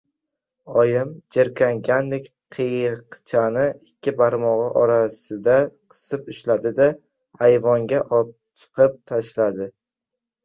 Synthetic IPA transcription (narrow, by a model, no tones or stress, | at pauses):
ɒjɪmd͡ʒeɾkʲʰaŋɡʲanlɪkʲ | qʰɨjqt͡ʃʰanɪɪkʲʰːɪbaɾmɒʁɨʔɒɾasɪd̪aqʰɨ̥sɨpʊʃlad̪ɪd̪a | ajvɒŋɡʲaʔɒp̚t͡ʃʰɨ̥qʰɨp̚t̪ʰaʃlad̪ɪ